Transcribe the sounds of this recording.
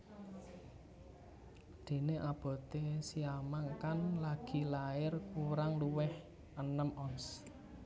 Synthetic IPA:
d̪̥e̤neʔab̥ɔ̤t̪esiamaŋkanlaɡ̥i̤laɪrkuɾaŋluwɪh | ʔənəmʔɔns

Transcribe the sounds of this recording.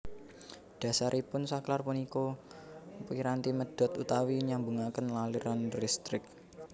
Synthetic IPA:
ɖ̥ä̤saɾʔipʊnsaklarpuniko | piɾant̪iməd̥ɔ̤t̪ut̪awiɲaŋbuŋakənlaliɾanrist̪ɾɪk̚

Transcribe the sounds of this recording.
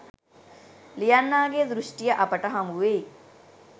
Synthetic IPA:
lijanːaːɡeːd̪ɾuʂʈijɐʔɐpɐʈɐɦɐmuʋej

